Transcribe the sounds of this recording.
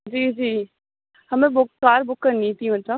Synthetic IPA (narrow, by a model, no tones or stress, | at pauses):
d͡ʒiːd͡ʒiː | hɐmẽbʊkːaːɾbʊkːəɾnĩt̪ĩmɐt̪lə